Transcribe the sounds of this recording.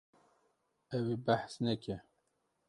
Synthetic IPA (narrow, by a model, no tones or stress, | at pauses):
ɛwebæħsnɛkʲʰɛ